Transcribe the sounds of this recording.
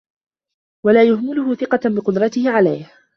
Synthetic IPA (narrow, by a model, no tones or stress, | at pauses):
walaːjʊhmʊlʊhʊθɪqɑbɪqʊd̪ɾˤɑt̪ɪhɪʕala̰jh